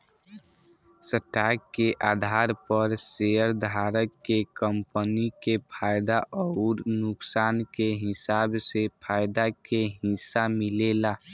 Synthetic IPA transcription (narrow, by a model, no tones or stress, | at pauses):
səʈakːeʔaːd̪ʱaːɾpəɾseəɾd̪ʱaːɾəkːekəmpənikepʰaːjd̪aʔɔʊɾnʊksaːnkeɦɪsaːbsepʰaːɪd̪akeɦɪsamɪlela